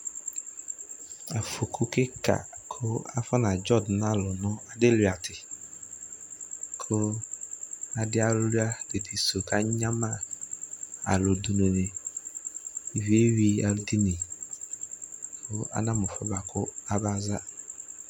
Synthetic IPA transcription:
a˨fo˨kʰʊ˨kɪ˦kʰa̰˨kʰʊ˦a̰˦fa˦nã˨d͡ʒɔ˦dn˦a˦˨lʊ˨nʊ̃˦a˨dɪ˦lɥa˨tʰɪ˨ | kʰʊ˦ | a˨dɪ˦a˦lʊ˦lʊ˦a˦d̥e˨di˨so˨ka˦ɲã˦ma˦ | a̰˨lʊ˨du˨nʊ̃˨nɪ˨ | vi˦e˦wi˦a̰˨ldi˦ni˨ | kʰʊ˦a̰˦nã˦mʊ˨fɔ̰˦ba˨kʰʊ˦a˦ba˦za˦

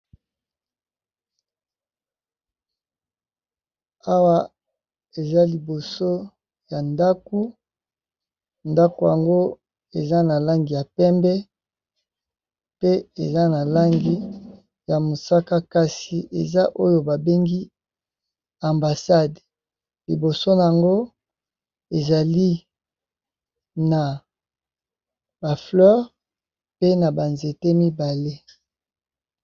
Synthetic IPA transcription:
a˦wa˦ | e˨za˦li˨bo˨so˦ | ja˨nda˦ku˦ | nda˦ko˨ja̰˨ŋɡo˦ | e˨za˦na˨la˦ŋɡi˨ja˨pɛ˦mbɛ˦ | pe˦e˨za˦na˨la˦ŋɡi˦ | ja˨mo˨sa˦ka˦ka˦si˨ʔe˨za˦ʔo˦jo˨ba˨be˦ŋɡi˦ | a˨mba˨sa˦d | li˨bo˨so˦na˨a˨ŋɡo˦ | e˨za˨li˦ | na˨ | ba˨flœ˦ʁ | pe˦na˨ba˨nze˨te˦mi˦ba˨le˦

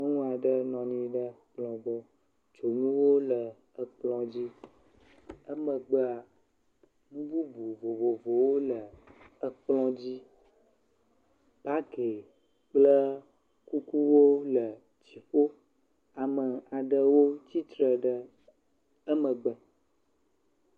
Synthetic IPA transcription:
mə˦ŋũ˦a˨ɖə˦nɔ̃˨nĩ˦ɖə˦k͡plɔ̃˨bɔ˦ | t͡ʃo˨nũ˦wo˦lə˨ | ə˦k͡plɔ̃˦d͡ʑi˦ | ə˦mə̃˨ɡ͡bə˦a˨ | bu˦bu˦bu˨vo˨vo˨vo˨wo˦lə˨ə˦k͡plɔ̃˦d͡ʑi˦ | b̥a˦ke˨ | k͡plə˦ | ku˦ku˦wo˦lə˨ | t͡ɕi˨ɸo˦ | a˨mə˨a˨ɖə˦wo˦t͡ɕi˦t̪ɾə˨ɖə˦ | ə˦mə̃˨ɡ͡bə˨

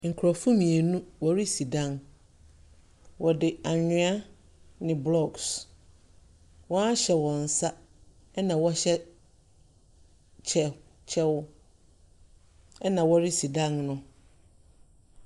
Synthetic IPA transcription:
ŋ̩˨kʰɾɔ˨fʊ˦mĩ˨e˨nũ˦wɔ˨ɾi˦si˨dã˦˨n | wɔ˨dɪ˨a˨ɲʊ̃˦a˦ | nɪ̃˨blɔ˦˨ɡs | wɔ̃˦a˦ɕɛ˨wɔ̃˨n˨sa˦ | ɛ˦nã˨wɔ˦ɕɛ˦ | t͡ɕʰɛ˨ | t͡ɕʰɛ˦wʊ˦ | ɛ˦nã˨wɔ˦ɾɪ˦si˨dã˦nnʊ̃˦

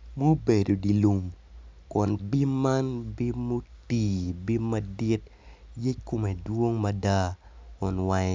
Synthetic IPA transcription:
mo˦be˨do˨di˨lu˨mkɔ˨nbi˦ma˦nbi˦mo˦ti˨bi˦mɐ˦di˦t̚je˦t͡ʃko˦me˨dwo˦ŋmɐ˦da˦kɔ˨nwa˦

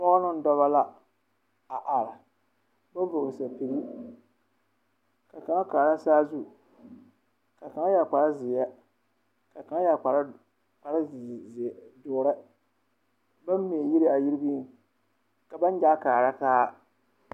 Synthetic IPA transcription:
mɔ˦nɨ˦n˦dɔ˦βa˦la˦ | a˨ʔa˨ɾɪ˨ | ba˦vʊ˨ɣɨ˨sa˨pi˨ɡi˦ | ka˨ka˨ŋa˦kaː˨ɾa˦saː˦zu˦ | ka˨ka˨ŋa˦ja˨k͡pa˨ɾa˦zɪ˨jɛ˦ | ka˨ka˨ŋa˦ja˨k͡pa˨ɾ | k͡pa˨ɾa˦˨ | dʊː˨ɾɪ˦ | ba˦mːi˨e˨ji˦ɾi˦a˨ji˦ɾɪ˦bi˦n˨ | ka˨ba˦n˦d͡ʒa˦kaː˨ɾa˦kaː˦

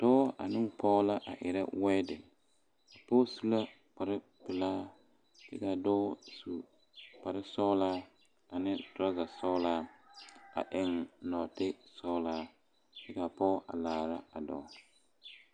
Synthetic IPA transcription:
tɔː˦a̰˨nɪ˦˨pɔ˦la˦ʔa˨ʔɪ˨ɾɛ˦wɛ˦dɪ˨ | a˨pɔ˦su˦la˦ | k͡pa˨ɾɪ˦ | pɪ˨laː˦ | d̥ɪ˦ka˨dɔː˦su˨ | pa˨ɾɪ˦sɔ˦laː˦ | a˨nɪ˦dɾa˦ɡa˨sɔ˦laː˦ | a̰˨ʔɪ˨ŋ˨nɔ˨tɪ˦sɔ˦laː˦ | d̥ɪ˦ka˨pɔ˦ʔa̰˨laː˨ɾa˦a˨dɔ̰˨˦

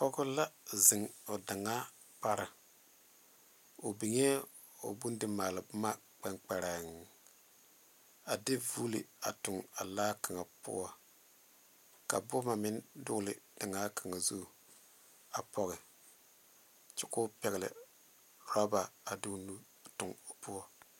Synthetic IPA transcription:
pɔ˦ɡʊ˦la˦zɪ˨ŋo˨da˨ŋa˦ | pa˦ɾa˨ | o˨bi˨ŋɛ˦ | o̰˨bu˦n˦dɪ˦maː˨lɪ˨bma˦ | k͡pɛ˦ŋk͡pɛ˨ɾa˨ŋ˨ | a˨dɪ˦vu˦lɪ̰˨a˨tʊ˨ŋa˨laː˦ka˨ŋa˨pʊ̰˦ɔ˦ | ka̰˨bʊ˦ma˨mɪ˦ndʊ˦ɡlɪ̰˨d̥a˨ŋa˦kʰa˨ŋa˨zu˦˨ | a˨pɔ˦ɣɪ˨ | t͡ʃɪ˦kʊ˦pɛ˨ɣɪ˨lɪ̰˨ | ɾɔ˦ba˨a˨dɪ˦nu˦˨ | tʊ˨ŋo˨pu˦ɔ˦

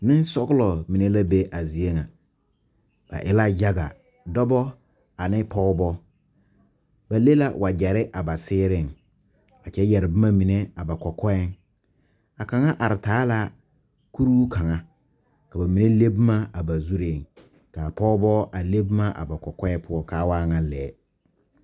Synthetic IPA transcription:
nɪ̃˦n˦sɔ˦ɡlɔ˨mĩ˨nẽ˦la˦be˦ʔa˨zi˨e˦ŋã˨ | b̥a̰˨ʔɪ̰˦la˦ja˦ɡa̰˨ | dɔ˦bɔ˦ | a˨nɪ̃˦pʰɔ˦bɔ˦ | ba˨le˦la˦wa˨d͡ʑɛ˨ɾɪ˦ʔa˨ba˨sɪː˦ɾɪ˦n˨ | a˨t͡ɕʰɛ˦jɛ˨ɾɪ˨bɪ˦mã˦mĩ˨nɛ̃˦a˨ba˨kʰɔ˨kʰɔ˦ɛ˦n | a˨ka˨ŋa˦ʔa˨ɾɪ˨taː˨˦la˦ | ku˦ɾuː˦ka˨ŋa˨ | ka˨ba˨mĩ˨ne˦le˦bma˦a˨ba˨zu˦ɾe˨ŋ | ka˨pɔ˦bɔ˦ʔa˨le˦bu˦ma˦ʔa̰˨ba˨kɔ˨kɔ˦ɛ˦pʰʊ˦ɔ˦ka˦waː˦ŋa˨lɛː˨˦

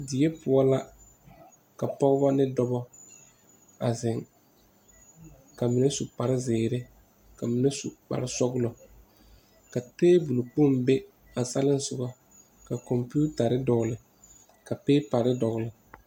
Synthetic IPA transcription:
dɪ˨e˦pʊ˨ɔ˦la˦ | ka˨pɔ˦ɣʊ˦ba˦nɪ˦dɔ˦bɔ˦ | a˨zɪ˨ŋ | ka˨mi˨ne˦su˨pa˨ɾɪ˦zɪː˨ɾɪ˦ | ka˨mi˨ne˦su˨k͡pa̰˨ɾɪ˦sɔ˦ɡlɔ˨ | ka˨teː˦bu˨lʊ˨k͡po˦˨mbe˦ | a˨sa˦lɪ˦n˦sʊ˨ɡɔ˦ | ka˨kɔ˨mpi˦u˦ta˨ɾɪ˦dɔ˨ɡlɪ˨ | ka˨peː˦pa˨ɾɪ˦dɔ˨ɣlɪ˨

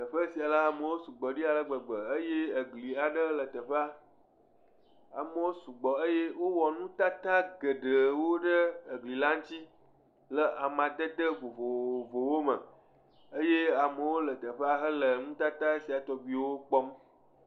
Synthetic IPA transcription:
t̪ə˨ɸə˦si˨a˨la˦a˨mə˨wo˦su˨ɡ͡bɔ˨ɖi˦a˨lə˦ɡ͡bə˨ɡ͡bə˨ə˦je˦ə˨ɡli˨a˨ɖə˦lə˨t̪ə˨ɸə˦a˦ | a̰˨mə˨wo˦su˨ɡ͡bɔ˨ə˦je˦wo˦wɔ˨nũ˦t̪a˦t̪a˦ɡə˨ɖə˨wo˦ɖə˦ə˨ɡli˨la˦ŋ̩̃˦t̪i˦ | lə˨ʔa˨mã˨d̪ə˦d̪ə˦ɡ͡bo˨vo˨vo˨wo˦mə˨ | ə˦je˦a˨mə˨wo˦lə˨t̪ə˨ɸə˦a˦ɦə˦lə˨nũ˦t̪a˦t̪a˦e˦si˨a˨t̪ɔ˨bi˨˦wo˦k͡pɔ˦m

